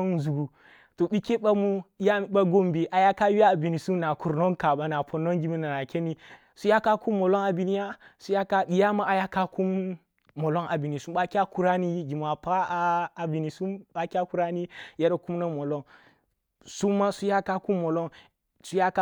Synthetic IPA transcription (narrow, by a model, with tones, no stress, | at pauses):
nzu˨ɡu˨ | to˨ɓi˦ke˦ɓa˦mu˦a˦ɓa˦ɡo˦mbi˨ʔa˨ja˦ka˦wi˦a˦˨bi˨ni˨su˦mna˨ku˨ɾno˦nka˨ba˨˦na˨pʰo˨no˦ŋɡi˦mi˦na˨na˨kʲe˦ni˦ | su˦ja˦ka˦ku˦mːo˨lo˦na˨bi˨ni˦ja˦su˦ja˦ka˦ɓi˨ja˦ma˨a˨ja˦ka˦ku˦mː | o˨lo˦ŋʔa˨bi˨ni˨su˦mɓa˦ki˦a˦ku˦ɾa˦ni˦ɡi˨m˨a˨paː˦˨bi˨ni˨su˦mɓa˦kʲi˦a˦ku˦ɾa˦ni˦ja˦ɾku˦mna˦mo˨lo˦n | su˦ma˦su˦ja˦ka˦ku˦mːo˨lo˦n | su˦ja˦k